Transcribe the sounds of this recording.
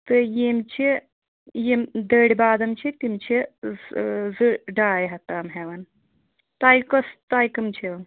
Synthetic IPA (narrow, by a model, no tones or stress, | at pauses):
t̪ɨjimt͡ʃʰi | jemd̪əːɽʲibaːd̪ɐmt͡ʃʰit̪imt͡ʃʰi | zɨɖaːjɦɐt̪aːmɦeʋɐn | t̪aːjkɐst̪aːjkɐmt͡ʃʰin